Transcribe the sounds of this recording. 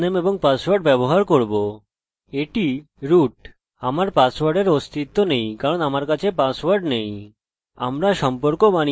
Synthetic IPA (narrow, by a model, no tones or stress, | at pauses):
nemeboŋpaswaɾɖ̚bɛboɦaɾkoɾbo | eʈi | ɾuʈ | amaɾpaswaɾɖeɾost̪it̪ːonejkaɾonamaɾkat͡ɕʰepaswaɾɖnej | a̰mɾaʃɔmpoɾkobani